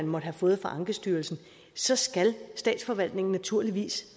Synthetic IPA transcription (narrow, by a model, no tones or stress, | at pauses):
ænmɒ̽dəɦæfɔ̽ːð̩ˠfɑʔɑ̈ŋɡ̥əsd̥yːɐlsn̩ | sɒ̽sɡ̥ælsd̥ɛ̰ːd̥sfɒ̽ʋæl̰d̥ne̝ŋn̩næt͡sʰuɐ̰liʋḭːs